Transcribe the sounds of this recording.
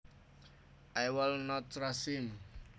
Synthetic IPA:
ʔajwɪlnɔt̪ɹasim

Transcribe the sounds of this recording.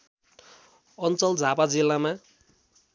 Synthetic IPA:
ʌnt͡sʌld͡zʱapad͡zilːama

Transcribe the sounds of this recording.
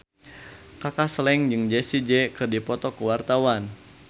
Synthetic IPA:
kakaslɛŋd͡ʒɨŋd͡ʒɛsid͡ʒɛkɨrdipɔt̪ɔkəwart̪awan

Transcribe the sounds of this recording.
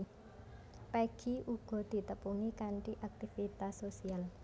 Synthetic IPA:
peɡ̥i̤uɡ̥ɔ̤d̪̥i̤t̪əpuŋikaɳʈiʔak̚t̪ifit̪asosial

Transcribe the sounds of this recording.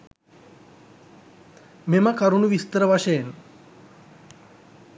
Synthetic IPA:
meməkɐɾunuʋist̪əɾəʋaʃəjen

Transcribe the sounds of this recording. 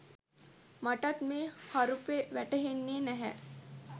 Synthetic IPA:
mɐʈɐt̪mehaɾupeʋɛʈəɦenːeːnɛɦɛ̰

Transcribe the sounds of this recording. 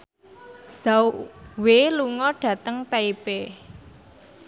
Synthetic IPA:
z̥awʔweluŋɔɖ̥ä̤t̪əŋt̪aipe

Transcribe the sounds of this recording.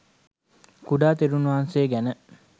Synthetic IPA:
kuɖaːt̪eɾunuʋanseːɡænə

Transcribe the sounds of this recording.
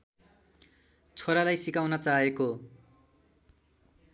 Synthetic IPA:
t͡sʰoɾalajsikawnʌt͡saeko

